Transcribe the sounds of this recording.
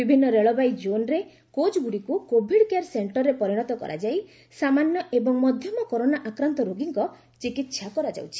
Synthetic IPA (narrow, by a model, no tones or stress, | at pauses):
bibʱinːɔɾeɭɔbajd͡ʒonɾe | kot͡ʃɡuɽikukobʱiɽkeaɾseɳʈɔɾːepɔɾiɽ̃ɔt̪ɔkɔ̰ɾʔa̰d͡ʒaj | samanjɔʔebɔŋmɔd̪ʱjɔmɔkoɾonaʔakɾant̪ɔɾoɡiŋkɔ | t͡ʃikit̪ʃʰakɔɾad͡ʒa̰wt͡ʃʰi̥